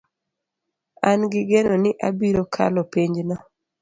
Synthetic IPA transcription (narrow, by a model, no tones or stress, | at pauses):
anɡɪɡenonɪʔabiɾokʰa̰lɔpiɲd͡ʒnɔ